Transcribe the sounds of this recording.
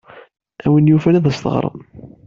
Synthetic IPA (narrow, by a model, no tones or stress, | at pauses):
æwənjufænæðæst̪ə̰ʁɾˤə̰n